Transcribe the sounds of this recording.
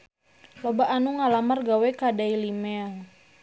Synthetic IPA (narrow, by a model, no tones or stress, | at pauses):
lobaʔːnuŋalamarɡawɛkadailimɛl